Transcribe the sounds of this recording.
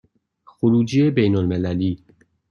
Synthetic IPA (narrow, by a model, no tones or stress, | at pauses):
xoɾuːd͡ʒiebejnolmelæliː